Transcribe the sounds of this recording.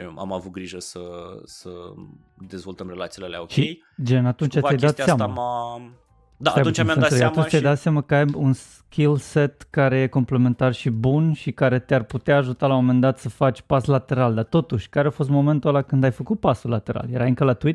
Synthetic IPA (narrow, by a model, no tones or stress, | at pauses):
əa̰mavut̪̚ɡɾiʒəsəsə | d̪e̞zvo̞lt̪əmrelat̪silealea̰oʃij | d͡ʒe̞nat̪unt͡ʃat̪jajd̪at̪seam | d̪aab̪unt͡ʃamaɾəjaunt͡ʃt̪ʲjajd̪at̪seamakəajuns | kʰʲilse̞t̪kaɾe̞je̞ko̞mple̞me̞nt̪arʃibunʃikaɾe̞t̪earput̪eaːʒut̪alawomome̞nd̪at̪səfat͡ʃʲpaslat̪e̞ɾald̪at̪o̞t̪uʃʲkaɾeafo̞s̬t̪mo̞me̞nt̪ulakɨnd̪ajfəkut̪̚pasulːat̪e̞ɾa̰ljaɾajɨŋkəlat̪uit̪